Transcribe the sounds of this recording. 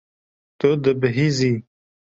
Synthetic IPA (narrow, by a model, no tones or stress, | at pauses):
t̪od̪əbəɦizi